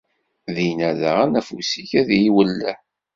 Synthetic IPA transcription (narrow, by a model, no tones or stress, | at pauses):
ðinæðə̰ʁænæfusiçæðjiwəlːæ